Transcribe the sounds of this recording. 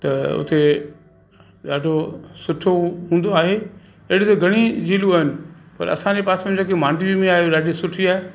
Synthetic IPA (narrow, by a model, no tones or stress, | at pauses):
t̪ɐʊ̰t̪e | ɗaːɖʱosʊʈʰoɦũːnd̪oaːɦe | ɐɦɽit̪oɡʱɐɽ̃id͡ʑiːluaːɦɪnɪ̆pɐ̰ɾɐ̰sãɲd͡ʑepaːsmẽd͡ʑãkemaːɳɖibimẽaːɦeoɗaːɖʱisʊʈʰiaːe